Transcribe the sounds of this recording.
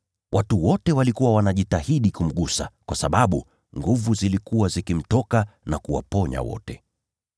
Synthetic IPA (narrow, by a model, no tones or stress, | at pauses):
wʔatuwɔtɛwalikuwawanaʄitahiɗikum̩ɠusa̰kwasaɓaɓṵ | ŋɡuvuzilikuwazikim̩tɔkanakuwa̰pɔɲa̰wɔ̰tɛ